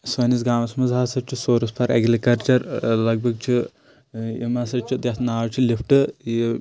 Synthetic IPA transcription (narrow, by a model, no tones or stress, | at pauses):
sʋɐnis̬ɡaːmɐsmɐzɦaːsɐɾ̚t͡ʃʰisoːɾɐspʰɐɾɐ̰ɡɾikɐɾt͡ʃɐɾlɐɡ̚bʱɐɡ̚t͡ʃʰi | ḭmɐsɐt͡ʃʰid̪ʲjɐsnaːɐt͡ʃʰilifʰʈɨ